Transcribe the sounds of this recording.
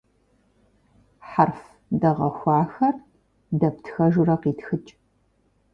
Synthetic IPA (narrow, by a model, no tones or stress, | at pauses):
ħarf | dɐʁɐxʷɑːxɐr | dɐptʰxɐʒʊɾɐqiːtxɨt͡ʃʼ